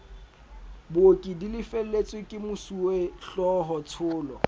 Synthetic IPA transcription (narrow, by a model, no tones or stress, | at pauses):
bokʼidilɪfel̩let͡sʼwɪkʼɪmʊsuweɬɔɦɔt͡sʰʊːlɔ